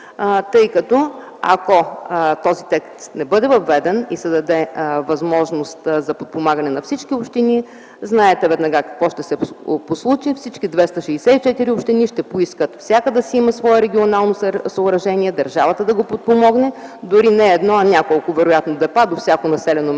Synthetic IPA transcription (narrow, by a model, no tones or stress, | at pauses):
t̪ɤjkɐt̪ɔ | ɐ̰kot̪ɔzit̪ɛkst̪nɛbɤd̪ɛvɐvːɛd̪ɛnisɛd̪ɐd̪ɛvɐzmɔʒnost̪zɐpot̪̚pomaɡɐnɛnɐfsit͡ʃkiopʃt̪ini | znaɛt̪ɛvɛd̪nɐɡakɐ̥kvɔʃt̪ɛsɛposlˠut͡ʃifsit͡ʃkid̪vɛst̪ɐʃɛːsɛit͡ʃɛt̪iɾiʊpʃt̪iniʃt̪ɛpoiskət̪fsʲjakəd̪ɐsiimɐsvɔɛɾɛɡʲionalˠnossɐːɾɐʒɛniɛd̪ɐɾʒavɐt̪əd̪ɐɡopot̪̚pomɔɡnɛd̪ʊɾinɛːd̪nɔɐnʲakolˠkʊvɛɾʊjat̪nod̪ɛpad̪ofsʲakonɐsɛlɛno